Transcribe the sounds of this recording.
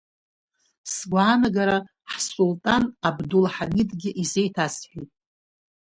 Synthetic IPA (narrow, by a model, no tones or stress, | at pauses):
sɡʷʕanaɡaɾa | ħsultʼanabdulħanʲɪdɡʲɪʔizejtʰasħʷᶣitʼ